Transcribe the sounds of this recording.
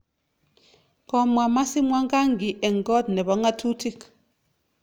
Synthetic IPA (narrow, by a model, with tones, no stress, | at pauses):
kɔ˦mwa˨ma˦si˦mwa˦ŋɡa˦ŋɡi˨ʔɛ˨ŋ˨ɡɔ˦dnɛ˨βɔ˨˦ŋa˦tʰu˦tʰi˦k